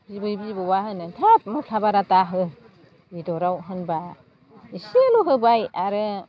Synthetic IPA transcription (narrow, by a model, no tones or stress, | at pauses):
bibɯbizbɯwaɦɯnɯntʰat̚mɔpʰabaɾataɦɯ | idɔɾawɦɯnba | iseluɦɯbajaɾɯ